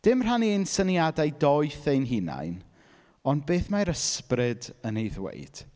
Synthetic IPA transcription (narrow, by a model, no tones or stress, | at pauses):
d̥ɪmr̥aniensənjadajdɔɨθejnɦina̰jn | ɔnd̚beːθmajɾəsprɪdənejðwḛjd̥